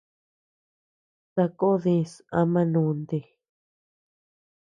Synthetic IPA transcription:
ta˧ko˦ðĩ˧sã˧mã˧nũ˧nd̪e˧˨

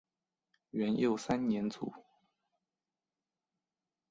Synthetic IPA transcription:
ɥɛ˧˥njo˥˩ʊsa˥nnjɛ˧˥nt͡sṵ˨˩˦

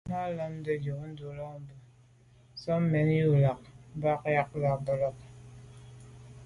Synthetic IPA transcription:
ma˦lɔ˦m˦də˨d͡ʒo˨kn̩˦du˨lɔ˦˨m̩˨bə˨ | sɔ˦m˦mɛ˨˦n˦ju˦la˨k̚m˦ba˦kja˦k̚la˨bɔ˨lɔ˦k̚

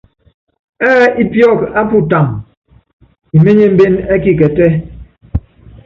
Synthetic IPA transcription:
ɛː˦i˦pjɔ˦˨ka˦pu˦ta˨m | i˨me˦ɲe˦m̩˦be˦nɛ˦ki˨kɛ˨tɛ˦

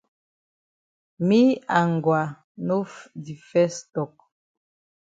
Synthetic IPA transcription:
mi˦a˨ŋ˨ɡwa˨ | no˦fdi˨fɛ˦stɔ˨k̚

